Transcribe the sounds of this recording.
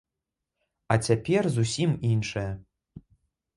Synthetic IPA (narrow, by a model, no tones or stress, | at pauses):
at͡sʲapʲerzusʲiminʂɐjɛ